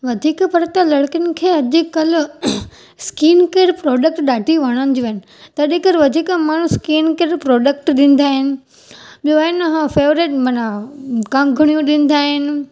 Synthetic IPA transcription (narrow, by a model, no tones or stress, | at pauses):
ʋɐd̪ʱiːkpɐɾt̪alɐɽkənɪ̆kʰeːɐd͡ʑkɐl | skiːnkeːɾpɾɔːɖək̚ʈɗaːʈʰiʋɐɽ̃ənɪd͡ʑoːɐɪnɪ̆t̪ɐɗekɐɾʋɐd̪ʱiːkəmaːɳ̤ũskiːnkeːɾpɾɔːɖək̚ʈɗɪ̃n̆d̪aːɦɪnɪ̆ | ɓjoːɦɪnɦfeːʋɾeːʈmɐnakãŋɡʱʊɽ̃ijũɗɪ̃n̆d̪aːɦɪn̆